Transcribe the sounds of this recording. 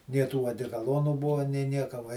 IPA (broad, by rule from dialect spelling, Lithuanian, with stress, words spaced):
nʲiɛ ˈtuː ɐdʲɛkɐˈlˠoːnuː ˈbʊʋoː nʲeː ˈnʲiɛkɐ ʋɐ